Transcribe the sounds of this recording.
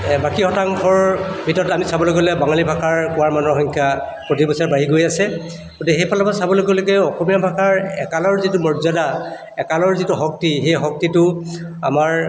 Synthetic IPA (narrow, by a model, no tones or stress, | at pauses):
bakihɔtaŋkʰɔɹbʱitɔtamisabɔloɡɔlɛbaŋalibʱakʰaɹkʊaɹmanɔɦɔŋkʰja | pɹotibɔsaɹbaɦiɡojasɛ | ɡotɛɦejpʰalapasabɔloɡɔloɡɛɔxɔmijabʱakʰaɹɛ̰kalɔɹzitʊmɔɹzada | ɛkalɔɹzitʊɦɔk̚tixejɦɔk̚titʊ | a̰maɹ